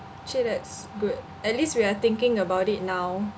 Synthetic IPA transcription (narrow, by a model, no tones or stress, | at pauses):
t͡ʃedɛts | ɡud̚ | ɛt̚listwiat̪ɪ̃ŋkɪ̃ŋəbawtit̚naw